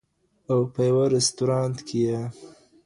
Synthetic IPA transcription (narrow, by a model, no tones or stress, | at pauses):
awpəjawaɾɪst̪uɾɑnt̪kʰeje